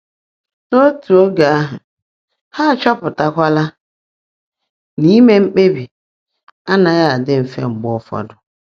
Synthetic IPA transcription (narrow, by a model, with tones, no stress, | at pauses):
no˦tʰu˨o˦ɡa˨a˦ɦʊ˨ | ha˦˨t͡ʃɔ˦pʊ˨ta˦kʷa˦la˦ | ni˦me˦ŋ͡m̩˦k͡pe˦bi˨ | a˦na˨ja˦a˨dɪ˦m̩˨fḛ˦ŋ͡m̩˨ɡ͡bɔ˦fɔ̰˦dʊ˨